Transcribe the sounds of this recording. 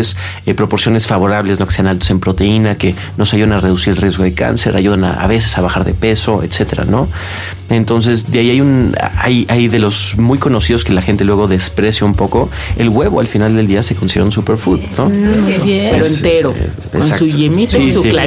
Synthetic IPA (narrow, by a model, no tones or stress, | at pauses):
s | epɾo̞po̞ɾsjo̞ne̞sfaβo̞ɾaβlezno̞ke̥se̞analt̪ose̞mpɾo̞t̪e̞inake̞ | no̞saʝuðanare̞ðusiɾelrje̞zɣo̞ð̞eka̰nse̞̰ɾʔa̰ʝuðana̰a̰β̞e̞s̬e̞̥saβaxaɾðe̞̰pe̞so̞ʔḛt̪se̞t̪e̞ɾa̰no̞ | e̞nt̪o̞ns̬e̞sðeaiajun̰a̰jajiðe̞lo̞zmujko̞no̞sið̞o̞ske̞laxe̞nt̪e̞lwe̞ɣ̞o̞ðe̞spɾe̞sjaumpo̞ko̞ | ḛlɣwe̞βo̞alfinald̪e̞ld̪iase̞ko̞nsiɾouns̬upe̞ɾfuðnoeɾoent̪eɾo̰ | ḛsnaksuemiiula